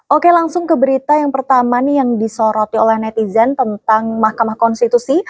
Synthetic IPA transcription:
ʔokelaŋsʊŋkəbəɾit̪ajaŋpərt̪amanjaŋdisoɾɔt̪̚iolɛhnɛt̪izɛnt̪ənt̪aŋmahkamahkɔnst̪it̪usi

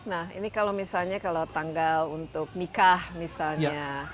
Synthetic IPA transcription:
nahḭnikalomisalɲakalot̪aŋɡalunt̪ʊk̚nikahmisalɲa

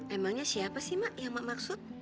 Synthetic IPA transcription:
memaŋɲasiapasihmaʔjaŋmaʔmaksʊt̪̚

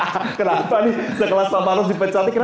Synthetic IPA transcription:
kənapanisəkəlasamaɾʊsdipət͡ʃat̪ikən

